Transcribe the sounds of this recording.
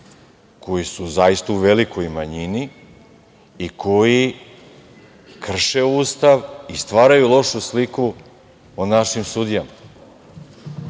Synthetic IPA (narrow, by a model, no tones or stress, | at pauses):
kʰo̞jisuzajist̪auʋe̞liko̞jmaɲini | ikʰo̞ji | kr̩ʃe̞uːst̪aʋist̪ʋaːɾajulˠo̞ʃusliku | onaʃimsud̪ijama